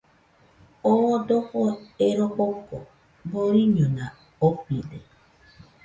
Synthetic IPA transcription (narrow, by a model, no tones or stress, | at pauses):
odʊɣʊeɾok͡pokɔ̰ | boɾiɲona | opidḛ